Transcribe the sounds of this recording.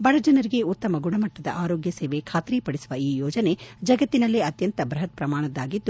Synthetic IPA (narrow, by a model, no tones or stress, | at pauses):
bɐɭɐd͡ʒɐnɐɾiɡe̞ut̪ːɐmɐɡuɳɐmɐʈːɐd̪ɐ̰ʔaːɾoːɡjɐseːʋe̞kʰaːt̪ɾipɐɽisuʋɐiːjɔːd͡ʒɐne̞d͡ʒɐɡɐt̪ːinɐlːiɐt̪jɐnt̪ɐbɾɐɦɐt̪̚pɾɐmaːɳɐd̪aːɡid̪ːu